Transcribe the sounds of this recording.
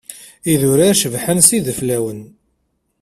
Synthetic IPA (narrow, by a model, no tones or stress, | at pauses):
iðʊɾaʃəvħənsiðəflæwən